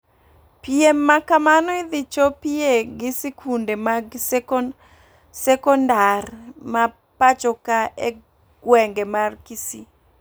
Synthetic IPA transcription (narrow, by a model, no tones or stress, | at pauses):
piemːakamanɔid̪ɪt͡ʃopieɡɪsikundemaɡ | sɛkɔndarma | pat͡ʃɔkae | ɡ̥wɛŋɡemarkisi